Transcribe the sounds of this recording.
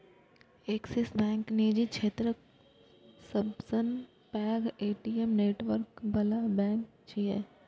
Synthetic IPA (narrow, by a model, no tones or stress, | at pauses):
eksesbɛ̃ːŋkniːd͡ʒikʃʰeːt̪ɾə | səbsən | pɛːɡeːʈiemneːʈʋəɾkbɐlabɛ̃ːŋk | t͡ʃiɛ